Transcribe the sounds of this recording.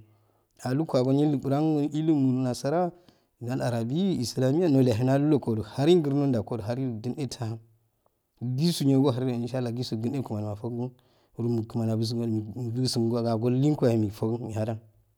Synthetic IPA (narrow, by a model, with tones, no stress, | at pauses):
a˨lu˦kʷa˨ɡo˦ni˦lu˨bu˨ɾa˦ŋ˦i˦li˦mu˨n˨na˨sa˦ɾa˦˨ | a˦la˨ɾa˨bi˦i˨sla˨mi˦ja˦no˦la˨ɦi˦na˦lu˦lo˦ko˨do˨ha˦ɾi˦ɡə˦ɾno˦nda˨ko˦do˨a˦ɾi˦˨ɡi˦ne˦tʰa˦ha˦n˨ | ɡi˦su˨ɲo˦ɡo˦ɦa˨ɾi˦o˨i˨˦ʃa˦lːa˨ɡi˦su˨ɡu˦ne˦ku˨ma˨la˨fo˦ku˦n | u˨˦ɾu˦mu˨ku˨ma˨na˨bu˦s̬u˨ɡo˦˨bi˦su˨m˨ɡa˨ɡa˨ɡo˦lli˦ŋkʷa˨hi˨mi˨fo˦kmi˨ha˦da˦n